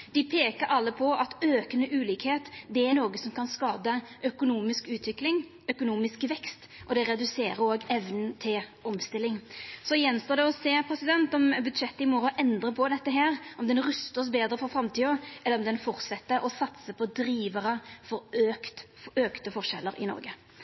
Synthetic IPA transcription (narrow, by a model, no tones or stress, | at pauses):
d̪̥ɪpʰeːkəɾɑlːəpʰɔɑt̪øːkənəʔʉːliːkheːt̪d̪ɛænoːɡəsɔmkʰɑnskɑːd̪əʔœkʊnuːmɪskʉːt̪ʰʋɪklɪŋ | œkʊnuːmɪskʋɛkst̪ | ʔɔd̪ɛɾɛd̪ʉseːɾəɾoːɡɛʋnən̩t̪ʰɪlɔmst̪ɪlːɪŋsɔjɛnst̪əd̪ɛɔseːpʰɾɛsɪd̪ɛnt̪ɔmbʉd̪ʂɛt̪ːəɪmɔɾʔɛnd̪ɾəpʰɔd̪ɛt̪ːəɦæːɾʔɔmd̪ɛnɾʉst̪əs̬beːd̪ɾəfɔɾfɾɑmt̪ʰiːəʔɛləɾɔmd̪ɛnfɔʁt̪sɛt̪ːəʔɔsɑt̪səpʰɔd̪ɾiːʋəɾəfɔɾøkt̪ | øːkt̪əfɔʁʂɛ̰lːəɾɪ̰nɔ̰ɾɡə